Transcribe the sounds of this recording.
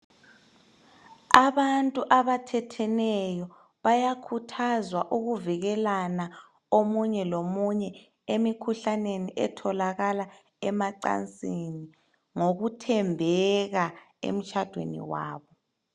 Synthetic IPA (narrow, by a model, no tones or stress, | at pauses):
aβantʼuʔaβatʰɛtʰɛnɛjɔ | βajakʰutʰazwaʔuɣuviɣɛlana | omuɲɛlomuɲɛ | emikʰuɬaneniʔɛ̰tʰɔlaɣala | ɛmaǀa̰nt͡sʼini | ŋoɣutʰɛmbʱɛɣa | ḛm̩t͡ʃʰʼad̥ʱwḛnḭwa̰ːβɔ